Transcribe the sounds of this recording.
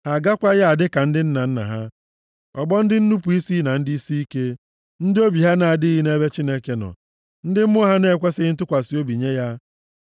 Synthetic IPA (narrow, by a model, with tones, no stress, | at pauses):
ha˨ɡa˦kʷa˦ja˦a˨dɪ˦ka˨n̩˦dɪ˦n̩˦na˨n̩˦na̰˨ɦa˦ | ɔ˨ɡ͡bɔ˦n̩˦dɪ˦n̩˦nu˦pu˨i˦si˦na˨n̩˦dɪ˦i˦si˦i˦ke˦ | n̩˦dɪ˦o˦bi˨ɦa˦na˨a˨dɪ˦ɦi˦ne˦be˦t͡ʃi˦ne˦ke˦nɔ̰˨ | n̩˦dɪ˦m̩˦mʊ˦ɦa˦ne˦˨kʷe˦sɪ˦ɪ˦n̩˦t̬ʊ˦kʷa˨si˨˦o˦bi˨ɲe˦ja˦